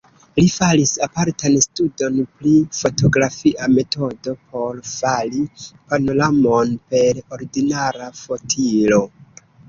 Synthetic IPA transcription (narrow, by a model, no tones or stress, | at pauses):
lifalisapaɾtanstudo̞nplifo̞to̞ɡɾafiʔame̞to̞do̞pʰo̞ɾfalipano̞lamo̞npe̞ɾo̞ɾiɡinaɾafo̞tʰilo̞